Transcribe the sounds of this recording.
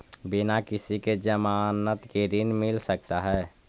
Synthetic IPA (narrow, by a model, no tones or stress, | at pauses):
bɪnakɪsiked͡ʒəmaːnət̪keɾɪnmɪlsək̚t̪aɦɛː